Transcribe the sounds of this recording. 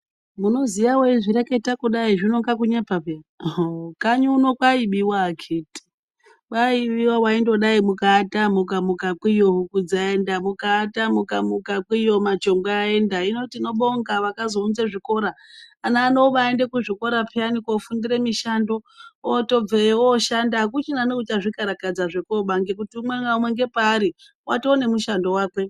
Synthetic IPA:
muno̞zijawoiʐiɾeke̞takuɗaiʐinoŋɡakuɲepape | kaɲuno̞kwaiɓiwakʰeti̥ | kaiɓiwawaindo̞ɗaimukaːtamukamukakwijoɦukud͡zae̞ndamukaːtamukamukakwijo̞mat͡ʃo̞ŋɡwaːe̞ndaino̞tiːno̞ɓoŋɡaʋakazo̞unzeʐiko̞ɾaːnaːnoʋaende̞kuʐiko̞ɾapʰeanikofundiɾe̞miʃandooto̞b͡veoʃandak̬ut͡ʃinanokut͡ʃaʐikaɾakad͡zaʐe̞koɓaŋɡek̬utiumweŋɡaumweŋɡe̞paːɾi | wʔatoːne̞muʃandowaːkwe̞

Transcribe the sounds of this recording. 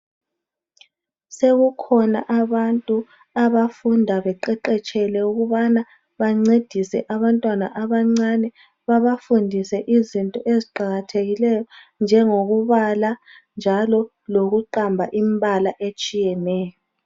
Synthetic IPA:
seɣukʰɔnaʔaβantʼu | aβafundʱaβɛǃɛǃɛt͡ʃʼɛlɛuɣuβana | βaŋ͡ǀed̥ʱisɛ̰ʔaβantʼwana̰ʔaβaŋ͡ǀanɛ | βaβafundʱisɛʔizintʼɔʔeziǃaɣatʰeɣilɛjɔnd͡ʒʱɛŋoɣuβala | nd͡ʒʱalɔ | loɣuǃambʱaʔimbʱalaʔet͡ʃʼijɛnɛːjɔ

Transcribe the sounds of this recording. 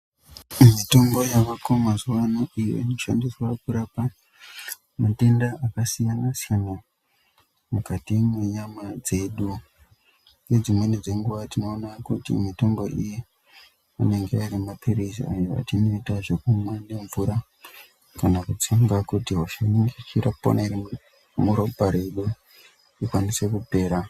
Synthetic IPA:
mito̞mɡo̞jakakomazuwanoijo̰ino̞ʃandiswakuɾapa | mate̞ndaʔakasijanasijana | mukatimweɲamad͡ze̞ɗu | jed͡zimwe̞ned͡ze̞ŋɡuʋatino̞ːnakutḭmito̞mbo̞ʔiji | a̰ne̞ŋɡeaiɾimapirizḭa̰joa̰t͡ʃino̞itaʐe̞kumwane̞ɱvuɾa | kanakut͡siŋɡakutiɦoʃaiŋɡet͡ʃirapo̰nari | muɾopaɾe̞ɗu | ikwanise̞kupe̞ːɾa

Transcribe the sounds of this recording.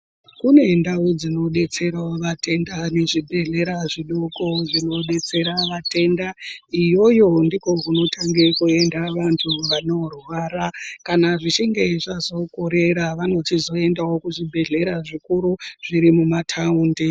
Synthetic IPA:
kune̞ndaud͡zino̞ɗe̞t͡se̞ɾaoʋatʰe̞ndane̞ʐibʱe̞ɮe̞ɾaʐiɗoko̞ʐino̞ɗe̞t͡se̞ɾaʋate̞ndaijo̞jo̞ndiko̞kuno̞tʰaŋɡe̞kue̞ndaʋantʰuʋano̞rwaːɾakanaʐit͡ʃeŋɡeʐazo̞koɾe̞ɾaʋano̞tizo̞e̞ndawo̞kuʐibʱe̞ɮe̞ɾaʐikuɾuʐ̥iɾimumatʰaundi

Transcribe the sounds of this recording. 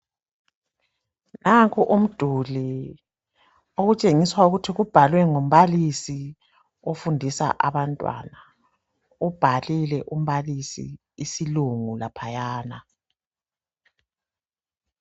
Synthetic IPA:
naŋkʰuʔum̩d̥ʱuli | oɣut͡ʃʼeŋiswauɣutʰiɣub̥ʱalwɛŋom̩βalisi | ofundʱisa̰ʔaβantʼwa̰na | ub̥ʱalilɛʔum̩βalisḭː | siluŋulapʰajaːna

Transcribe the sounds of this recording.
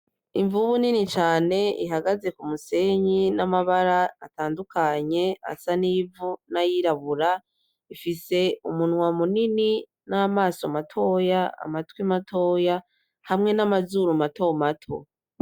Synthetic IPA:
iɱvuβuninit͡ʃaːne̞ḭɦaɡaze̞kumuse̞ɲinamaβaɾaːtaːndukʰaɲe̞a̰saniːvunajiɾaβuɾa | ifise̞umunwamunini | namaːsamatʰo̞ːjaa̰matwimatʰo̞ːja | hamŋe̞namazuːɾumato̞matʰo̰

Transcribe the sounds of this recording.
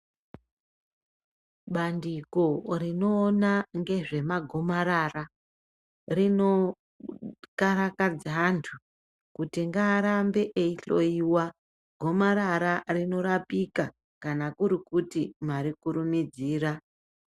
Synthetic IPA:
ɓandiko̞rino̞ːnaŋɡe̞ʐe̞maɡʱo̞maɾara | rino̞ | kaɾakad͡zantʰu | kutiŋɡaːɾambe̞ʔeiɬo̞̰jiwa | ɡʱo̞maɾaɾarino̞ɾapika | kanakuɾikutimaɾikuɾumid͡ziːra

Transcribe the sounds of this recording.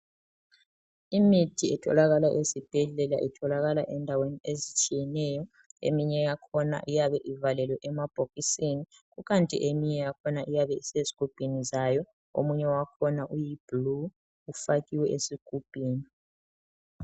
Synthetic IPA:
imitʰiɛtʰɔ̰laɣalaʔesib̥ʱɛɮɛla̰ʔitʰɔlaɣalaʔɛndʱaweniezit͡ʃʼijɛnɛjɔ | ḛmiɲɛjakʰɔna̰ʔijaβɛʔivalɛlwɛʔɛmab̥ʱoɣisini | ɣuɣantʼḭʔemiɲɛjakʰɔnaʔijaβɛiseziɡ̥ʱub̥ʱinizajɔ | o̰muɲɛwakʰɔnaʔujib̥lu | ufaɣiwɛʔesiɡ̥ʱub̥ʱiːni

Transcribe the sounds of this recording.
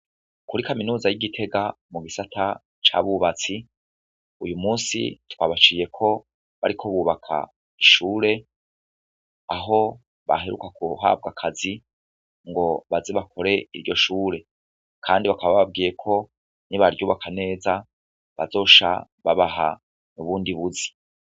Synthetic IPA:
kuɾikaminuːzajiɡitʰe̞ɡa | muɡisatʰa | t͡ʃa̰βuβat͡si | ujumuːnsḭtwaβat͡ʃiːje̞kʰo̞ | βa̰ɾikʰo̞βuːβakʰa̰ | iʃuːɾe̞ | aɦo̞ | βa̰ɦeɾṵkakuɦa̰b̚ɡakʰazi | ŋɡo̞βazeβakʰo̞ɾe̞iɾɟo̞ʃuːɾe̞ | kʰaːndiβakaβaβaβab̚ɡiːje̞kʰo̞ | niβaɾɟuːβakʰane̞ːza | βa̰zo̞ːʃa̰ | βaβaɦa̰ | nuβuːndiβuzi̥

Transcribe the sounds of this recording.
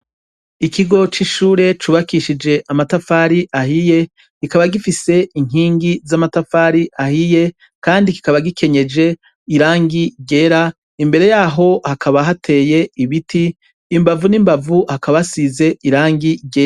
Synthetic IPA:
ikʰiɡo̞t͡ʃiʃuːɾe̞t͡ʃuːβakiʃid͡ʒe̞ʔamatafaːɾiʔahije̞ | kikaβaɡifise̞iŋ̥iːŋɡizamatafaɾiʔahije̞ | kaːndiki̥kaβaɡikʰe̞ɲe̞d͡ʒe̞ | iɾaːŋɡiɟe̞ːɾa | imbe̞ɾe̞jaːɦo̞hakʰaβaɦatʰe̞ːje̞iβitʰiː | mbavunimbavuhakaβasize̞iɾaːŋɡiɟeɾa

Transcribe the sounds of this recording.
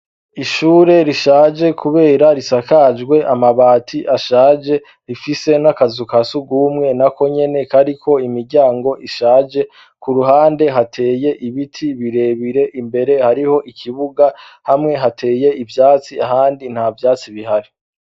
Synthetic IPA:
iʃuːɾe̞ɾiʃaːd͡ʒe̞kʰuβe̞ːɾaɾisakad͡ʒɡwe̞ʔamaβaːtʰiʔaʃaːd͡ʒe̞ | ɾifise̞nakazukasuɡumŋe̞nako̞ɲe̞ne̞kaɾikʰo̞imiɾɟaːŋɡo̞ʔiʃaːd͡ʒe̞ | kuɾuɦaːnde̞ɦatʰe̞ːje̞ʔiβitʰiβiɾe̞βiɾe̞ʔimbe̞ɾe̞haɾiho̞ʔikʰiβuɡahamŋe̞ɦatʰe̞ːje̞ivjaːt͡siaɦaːndin̥havjaːt͡siβiɦaɾi

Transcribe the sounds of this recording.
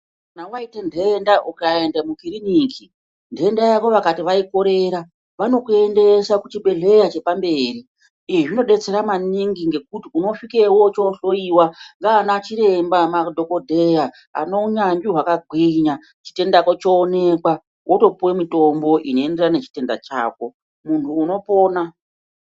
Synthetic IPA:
kanawaitendeːndaʔukae̞ndamukiɾiniːki | ndeendajaʋo̞ʋakatiʋaiko̞ɾe̞ɾa | ʋano̞kue̞nde̞sakut͡ʃiɓe̞ɮe̞jat͡ʃe̞pambe̞ːriː | iʐino̞ɗe̞t͡se̞ɾamaniŋɡiŋɡe̞k̚utiuno̞fike̞wot͡ʃoɬo̞iwaŋɡaːnat͡ʃiɾe̞mbamadʱo̞ko̞dʱe̞ja | a̰no̞uɲaŋɡiɦwakaɡʱwiɲa | t͡ʃi̥te̞ndako̞t͡ʃoːne̞kwa | wʔoto̞puwemito̞mbo̞ʔino̞e̞nde̞rane̞t͡ʃi̥te̞nda̰t͡ʃa̰ːko̞ | muntʰuːno̞po̞ːna

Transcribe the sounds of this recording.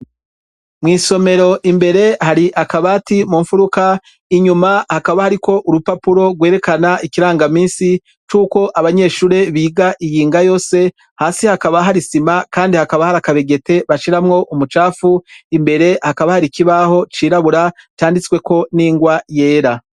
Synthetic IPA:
mŋiːso̞me̞ɾo̞ʔimbe̞ɾe̞haɾiʔakaβaːtimuːɱfuɾuka | iɲumahakaβahaɾiko̞ʔuɾupapuɾo̞ɡwe̞ːɾe̞kanaikiɾaːŋɡamiːnsi | t͡ʃuːko̞ʔaβaɲe̞ːʃuːɾe̞βiːɡaʔijiːŋɡajo̞ːse̞ | haːsihakaβaɦaɾisimakaːndihakaβahaɾakaβe̞ɡe̞te̞βaʃiɾamŋo̞ʔumut͡ʃaːfuimbe̞ɾe̞hakaβahaɾikiβaho̞t͡ʃiːɾaβuɾat͡ʃaːndit͡skwe̞ko̞niːŋɡwaje̞ːɾa

